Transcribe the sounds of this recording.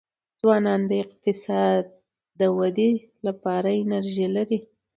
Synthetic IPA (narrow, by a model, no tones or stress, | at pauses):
zwɑnɑnd̪əɪq̚t̪ɪsɑd̪̚ː | əwad̪e | lapɑɾaɪnaɾʒilaɾi